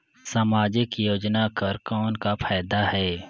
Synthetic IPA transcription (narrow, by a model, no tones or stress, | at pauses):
samaːd͡ʒɪkjoːd͡ʒnakəɾkɔːnkapʰaːd̪aɦɛː